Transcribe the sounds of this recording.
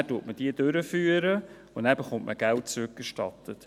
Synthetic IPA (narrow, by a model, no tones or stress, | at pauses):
æːtuətməd̥iəd̥øɾəfyːəɾə | ʊnɛbəχʊntmʔəɡɛlt̚t͡sɾʉk̚ɡ̥əʃtɑtət